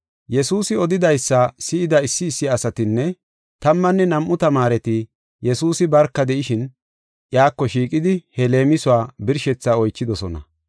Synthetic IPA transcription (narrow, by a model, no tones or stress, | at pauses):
jɛsuːsɪɔd̪ɪd̪ɐjsːɐsɪʔɪd̪ɐɪsːɪːsːɪɐsɐt̪ɪnːɛ | t̪ɐmːɐnːɛnɐmʔʊt̪ɐmaːɾɛt̪ɪ | jɛsuːsɪbɐɾkːɐd̪ɛʔɪʃɪn | ʔjaːkːɔʃiːkʼɪd̪ɪhɛle̞ːmɪsʊaːbɪɾʃɛt͡sːaːɔjt͡ʃːɪd̪ɔsɔnɐ̰